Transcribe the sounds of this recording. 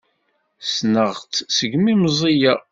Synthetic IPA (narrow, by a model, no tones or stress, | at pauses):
snəʁt͡ssəɡmimzˤija